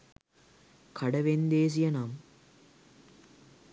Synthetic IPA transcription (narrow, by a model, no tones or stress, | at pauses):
kʰɐɽɐʋend̪eːs̬ijɐnaːm